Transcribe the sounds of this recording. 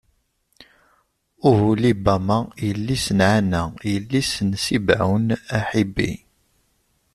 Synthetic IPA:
ʊhulibæmajəlːisənʕanæjəlːisənsibʕa̰wnæħibːḭ

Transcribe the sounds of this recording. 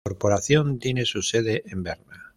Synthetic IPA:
oɾpo̞ɾaθjõ̞nt̪jene̞suse̞ð̞eʔembeɾna

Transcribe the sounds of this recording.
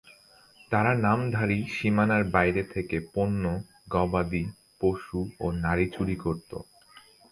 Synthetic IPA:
t̪aɾanamd̪ʱaɾiʃimanaɾbajɾet̪ʰekeponːo | ɡɔbad̪i | poʃuonaɾit͡ɕuɽikoɾt̪o̰

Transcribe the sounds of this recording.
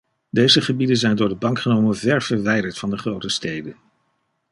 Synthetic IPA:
dejzəχəbidənzɛjndʊːɹdəbɑŋkχənowmənvɛɹv̥əɹʋɛjdəɹtfɑndəχrowtəstejdən

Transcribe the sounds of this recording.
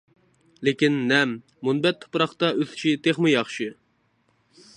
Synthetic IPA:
lekʲinːɛmː | unbɛt̪ʰːo̥pɾɑχt̪ɑʔøz̥t͡ʃʰit̪ʰeχmɨjɑχʃɨ

